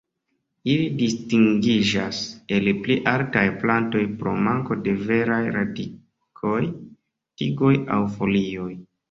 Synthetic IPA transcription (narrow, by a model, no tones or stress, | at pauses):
ilidistiŋɡid͡ʒase̞lpliʔaltajplanto̞jpɾo̞̰maŋko̞de̞ve̞ɾajɾadi | kʰo̞j | tiɡo̞ja̰wfo̞lio̞j